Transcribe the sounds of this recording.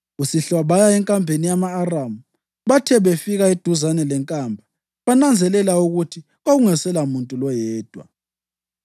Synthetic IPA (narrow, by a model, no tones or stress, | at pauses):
usiɬwaβajaɛŋkʼampenijamaːramu | βatʰɛβefiɣaid̥ʱuzanɛlɛŋkʼambʱa | βanand͡zʱɛlɛlauɣutʰi | ɣoɣuŋɛsɛlamuntʼulɔjɛːd̥ʱwa̰